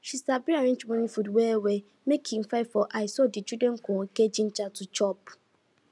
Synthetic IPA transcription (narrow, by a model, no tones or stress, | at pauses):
ʃisabiaɾẽnt͡ʃmɔ̃nĩfudwɛwe | mekʰĩŋ̩faɪfɔʔaɪsɔdɪt͡ʃudɛŋ̩kʰɔ̃ked͡ʑin̩t͡ʃatʰʊt͡ʃɔp